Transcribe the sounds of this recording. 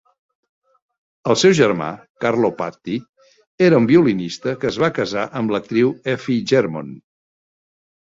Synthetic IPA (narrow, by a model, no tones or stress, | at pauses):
əlˠsɛwʒərma̰ | karlopa̰t̪ːi | eɾəumbiulinist̪əkəzβakəzaʔəmblək̚t̪ɾiwɛfiʒɛɾmo̰n